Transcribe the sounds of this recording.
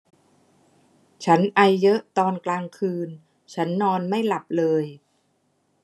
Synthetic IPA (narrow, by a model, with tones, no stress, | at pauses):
t͡ɕʰa˦˥nʔa˧jːɤ˦˥ʔt̪ɔː˧nklaː˧ŋkʰɯː˧n | t͡ɕʰa˦˥nːɔː˧nma˥˩jla˨˩p̚lɤː˧j